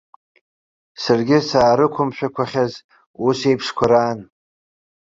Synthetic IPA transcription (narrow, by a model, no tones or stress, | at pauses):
sarɡʲɪsaːɾɨkʷʰʊmʃᶣakʷʰaχʲaz | use̞jpʰʂkʷʰaɾaːn